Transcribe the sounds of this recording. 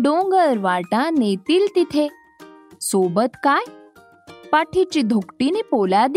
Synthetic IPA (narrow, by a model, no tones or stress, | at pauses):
ɖõŋɡəɾʋaʈãnet̪ilt̪it̪ʰe | sobət̪kaj | paʈʰit͡ɕid̪ʱukʈinepolad̪